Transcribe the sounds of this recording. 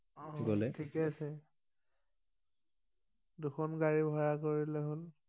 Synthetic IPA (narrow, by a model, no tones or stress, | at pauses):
ɔɡolɛtʰikɛasɛ | duxʰɔnɡaɹibʱɔɹakoɹilɛɦol